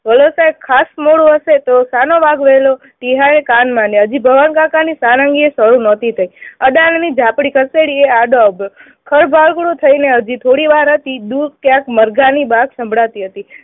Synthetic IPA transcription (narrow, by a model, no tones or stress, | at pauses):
ʋəlosaekʰːasmoɽũəʃet̪osanoʋaɡʋelo | ʈiɦaekanmãneɦəd͡ʒibʱəʋənkãkanisaɾə̃ŋɡiesəɾũnət̪ʰit̪ʰəiəɗannid͡ʒʱãpɽikʰəɾseɽieaɖ̪oabjo | kʰəɾbʱaɭkɽũt̪ʰəineəd͡ʒit̪ʰoɽiʋaɾɦət̪id̪ud̪̚kjãkməɾɡanibaɡsə̃mbʱɽat̪iɦət̪i